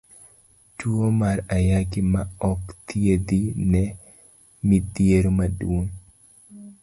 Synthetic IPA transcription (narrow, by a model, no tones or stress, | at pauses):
tuomaɾajaɡɪmaɔkt̪ʰied̪inɛ | mid̪jeɾomadwon